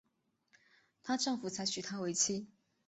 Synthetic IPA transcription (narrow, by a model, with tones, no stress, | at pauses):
t̪ʰa˥ʈ͡ʂɤ˥˩ŋfu˨˩t͡sʰa˧˥ɪt͡ɕʰy˨˩t̪ʰa˥we˧˥ɪt͡ɕʰi˥